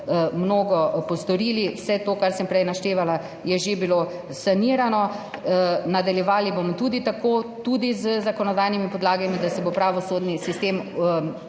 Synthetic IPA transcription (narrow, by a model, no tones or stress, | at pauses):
mnoːɡɔpɔst̪ɔɾiːliwsɛt̪oːkaɾsəmpɾɛjnaʃt̪eːʋala | jɛʒebilo | saniːɾanɔ | nad̪aljɛʋaːlibomɔt̪uːd̪it̪akoːt̪ud̪izəzakɔnɔd̪ajnimipɔd̪laːɡɛmid̪asɛbopɾaʋɔsoːd̪nisist̪eːm